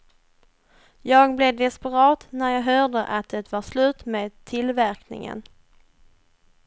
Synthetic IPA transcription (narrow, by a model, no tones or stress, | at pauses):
jɑːɡblɛd̪ɛspɛɾɑːt̪næɾjɑːɡɦœːɖəʔat̪̚d̪ɛt̪vɑslʉ̟ːt̪meːd̪̚t̪ʰːɪlvæɾknɪ̰ŋə̰n